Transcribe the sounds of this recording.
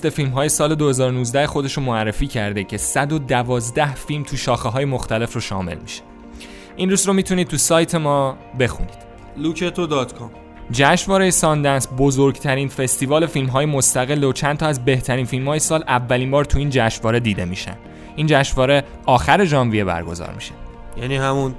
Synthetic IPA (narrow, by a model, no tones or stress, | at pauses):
st̪efilmɦɒːje̞sɒːle̞d̪ohe̞zɒːɾonuːzd̪æhexo̞d̪e̞ʃomoærːe̞fiːcʰæɾd̪ecʰe̞sæd̪o̞d̪ævɒːzd̪æhfilmt̪ʰuʃɒːxeɦɒːje̞moxt̪æle̞froʃɒ̰ːme̞̰lmi̥ʃe̥ | ʔinruːsromiːt̪ʰunid̪̚t̪ʰusɒːjt̪ʰe̞mɒː | be̞xṵniːd̪̥ | lukʰet̪ʰod̪ɒːt̪kʰɔm | d͡ʒæʃvɒːɾe̞jesɒnd̪ænsbo̞zoɾɡt̪ʰæɾinfe̞st̪iːvɒːle̞filmɦɒːjemost̪æɣe̞lːot͡ʃʰænt̪ʰɒːæzbe̞ht̪ʰæɾiːnfilmhɒːjesɒːlʔævːæliːmbɒːɾt̪ʰuiːnd͡ʒæʃvɒːɾe̞d̪iːd̪e̞miːʃæ̰nd̪̥ | iːnd͡ʒæʃvɒːɾe | ɒːxæɾe̞d͡ʒɒːnvijebæ̰ɾɡo̞zɒ̰ːɾmiʃæ̥ | jæniːhæmun